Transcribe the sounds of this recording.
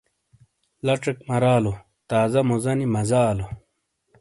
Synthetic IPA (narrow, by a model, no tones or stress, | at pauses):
lɐʈ͡ʂekmɐɾaːlo | t̪aːzɐmozɐnimɐzaːlo